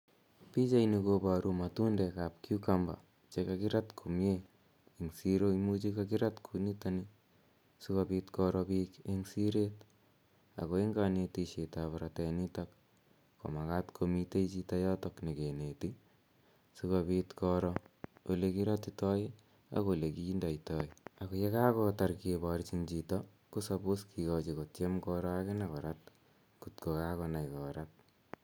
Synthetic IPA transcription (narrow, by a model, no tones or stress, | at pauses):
pit͡ʃainikopaɾumatundekap̚kukamba̰ | t͡ʃekakiɾatkʰumje | eŋsiɾoimut͡ʃikakiɾatkʰunitani | sukapit̪kɔɾɔpikeŋsiɾet̪ | a̰koeŋɡanetiʃitaβaɾatenitak | ko̰makatkʰomiteit͡ʃitɔjɔtɔknekeneti | sukobitkɔɾɔolekiɾɔtitɔi | a̰kolekindɔitɔjakojekakɔtaɾkebɔɾt͡ʃint͡ʃitɔ | kusapuskʰikɔt͡ʃikot͡ʃemkɔɾɔakɪnakɔɾat̚ | kutkokakɔnajkɔɾat̚